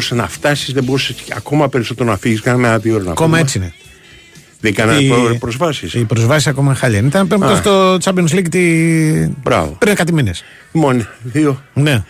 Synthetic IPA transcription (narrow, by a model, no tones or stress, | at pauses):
usenɐft̪ɐsizðeboɾusseɐ̰ko̞mɐpeɾiso̞t̪eɾonɐfiʝiskɐnɐmeɐðioɾonɐɐko̞mɐe̞t͡siine | ðeɡɐnɐopɾozvɐsisipɾozvɐs̬isɐko̞mɐxɐʎɐinit̪ɐnpemt̪ost̪ot͡sɐbionslikit̪i | bɾɐ̰vopɾnekɐt̪imines | moniðione